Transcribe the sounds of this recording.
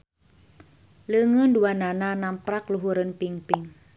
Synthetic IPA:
ləŋunduanananampɾakluɦuɾənpiŋpiŋ

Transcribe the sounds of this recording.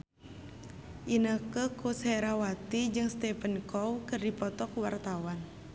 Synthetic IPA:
ʔinəkəkusɛɾawat̪id͡ʒɨŋst̪ɛpənkɔwkərdipɔt̪ɔkuwart̪awan

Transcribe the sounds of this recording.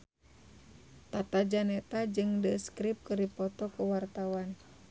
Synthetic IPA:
t̪at̪ad͡ʒanɛt̪ad͡ʒɨŋdəskɾip̚kɨɾipɔt̪ɔkuwart̪awan

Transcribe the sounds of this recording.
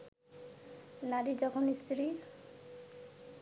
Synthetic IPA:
naɾid͡ʑɔkʰonist̪ʰɾi

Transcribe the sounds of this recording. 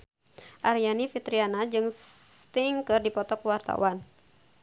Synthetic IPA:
ʔaɾijanifit̪ɾianad͡ʒɨŋt̪iŋkɨrdipɔt̪ɔkwart̪a̰wan

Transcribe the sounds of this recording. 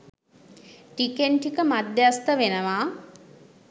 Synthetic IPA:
ʈikenʈikəmad̪jast̪əʋenəʋaː

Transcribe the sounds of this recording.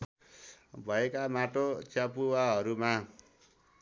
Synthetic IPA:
bʱʌekamaʈot͡sʰjapuwaɦʌɾuma

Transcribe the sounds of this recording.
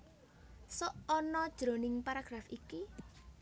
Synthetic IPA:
sɔʔɔnɔd̥ʒ̥ɾo̤nɪŋpaɾaɡ̥ɾafiki

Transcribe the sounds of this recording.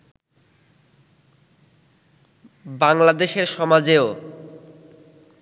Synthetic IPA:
baŋlad̪eʃeɾʃɔmad͡ʑeo

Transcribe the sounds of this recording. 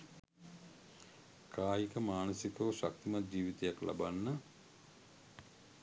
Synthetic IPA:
kʰaːjikəmaːnəsikəʋʃak̚t̪imat̪̚d͡ʒiːʋit̪ejaklʔa̰banːə

